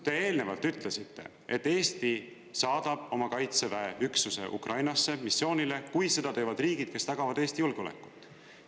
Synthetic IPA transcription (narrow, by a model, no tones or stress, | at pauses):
t̪e̞e̞ːlne̞vɑlt̪ːˑyt̪ˑle̞sit̪ːe̞̰ | e̞t̪ːe̞ːst̪i | sɑːd̪̥ɑb̥̚o̞mɑkɑjt̪sevæeyksuse̞̰ʔṵkrʔɑjnɑsːe̞misːjo̞ːnʲile̞kujse̞d̪̥ɑt̪e̞ːvɑd̪riːɡid̪̥ke̞st̪ɑɡ̥ɑvɑd̪̥eːst̪ijulɡ̥o̞lḛkːˑu̥t̪ːˑ